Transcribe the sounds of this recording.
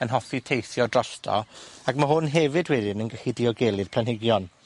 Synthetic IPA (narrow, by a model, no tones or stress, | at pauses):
ənɦɔfitʰejθjɔdrɔɬtʰɔ̰akmaɦʊnɦɛvɨdwɛdɪnənɡəxidiɔɡelˠɨð̥pʰlˠanɦɪɡjɔn